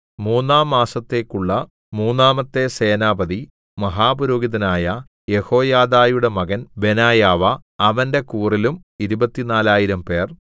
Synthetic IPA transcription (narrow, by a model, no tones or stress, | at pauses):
muːnːaːmːaːsɐt̪ːe̞ːkːuɭːɐ | muːnːaːmɐt̪ːe̞se̞ːnaːbɐði | mɐɦaːbɐɾo̞ːɡiðɐnaːjɐ | je̞ho̞ːjaːd̪aːjuɽe̞mɐɣɐnbe̞naːjaːʋɐɐʋɐnde̞kuːrilum | iɾubɐt̪ːinaːlaːjiɾɐmpe̞ːr